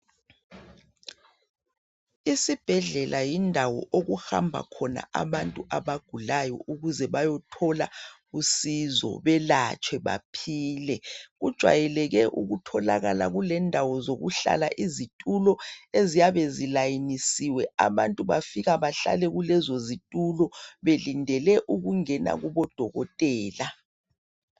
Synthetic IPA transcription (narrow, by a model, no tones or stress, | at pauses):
isib̥ʱɛɮɛlʔajindʱawɔ̰ʔoɣuxa̰mbʱa̰kʰɔna̰ʔaβantʼuʔaβaɡ̥ʱulajɔ̰ʔuɣuzɛβajɔtʰɔla | usizɔ̰βɛlat͡ʃʼʰwɛβa̰pʰiːlɛɣud̥ʒ̥ʱwa̰jɛlɛɣɛʔṵɣutʰɔla̰ɣa̰la̰ɣulɛndʱawɔzoɣṵɬa̰laʔizitʼulɔezijaβezilajinisiwɛaβantʼuβafiɣaβaɬa̰lɛɣulɛzozitʼulɔβelindʱɛlɛʔuɣuŋɛna̰ɣuβɔd̥ʱɔɣɔtʼɛːla